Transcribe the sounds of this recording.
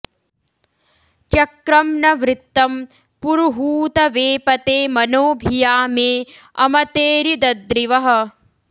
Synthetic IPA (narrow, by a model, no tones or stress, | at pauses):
t͡ʃɐkɾɐmnɐʋɾɪt̪ːɐm | puɾuɦuːt̪ɐʋeːpɐt̪eːmɐnoːbʱijaːmeːɐ̰mɐt̪eːɾid̪ɐd̪ɾiʋɐɦɐ̆